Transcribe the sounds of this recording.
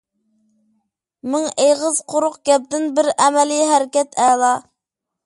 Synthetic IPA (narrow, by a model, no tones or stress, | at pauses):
mɪŋeʁəzqʰoɾʊqɡʲɛp̚t̪ɪnbɪɾɛmɛlijɦæɾɪkʲɛt̪ʰɛːlˠɑ